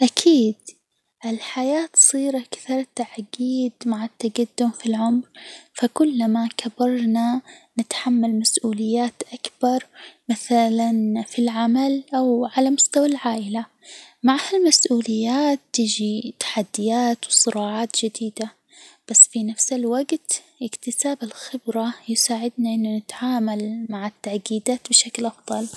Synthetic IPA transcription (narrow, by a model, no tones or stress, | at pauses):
ʔakʰiːd̪ | ʔɪlħajaːt̪sˤiːɾakθɑɾˤt̪aʕɡiːd̪maʕat̪ːaɡad̪ːʊmfilʕʊmɾfakʊlːamakʰabɑɾˤnanɪt̪ħamːalmasʔuːlɪjːaːt̪ʔakb̥ɑɾˤmaθalanfilʕamalʔawʕalamʊst̪awalʕaːʔɪla | maʕhalmasʔuːlɪjːaːt̪ːɪd͡ʒit̪ḁħad̪ːɪjaːt̪wsˤɨɾɑːʕaːt̪d͡ʒɪd̪iːd̪a | b̥asːfinafsɪlwaɡt̪ | ʔɪkt̪ɪsaːbɪlxɪbɾajɪsaːʕɪd̪naʔɪnːʊnɪt̪ʕaːmalmaʕɪt̪ːaʕɡiːd̪aːt̪bɪʃaklʔɑfðˤɑl